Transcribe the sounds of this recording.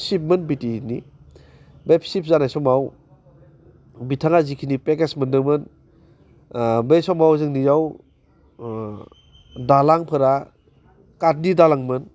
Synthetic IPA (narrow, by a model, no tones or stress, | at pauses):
sip̚mɯnbitini | bejpsip̚ʰzanajsɔmaw | bitʰaŋazikʰinipekesmɯndɯŋmɯn | bejsɔmawzɯŋnijaw | dalaŋpʰɯɾa | kat̚nidalaŋmɯn